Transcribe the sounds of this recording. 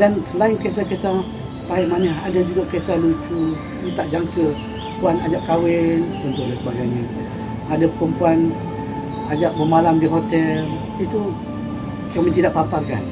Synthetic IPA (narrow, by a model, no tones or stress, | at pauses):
dansəlainkes̬akesa | paimanəhadad͡ʒuɡaʔkesahlut͡ʃu | it̪aʔd͡ʒaŋkə | puanad͡ʒaʔkawɛnunt̪ʊʔ̚lasəbaɡajni | adapəkumpuan | ad͡ʒaʔ̚bəmalamdiɦot̪ɛl | it̪u | kaməɲd͡ʒidaʔpːaparka̰n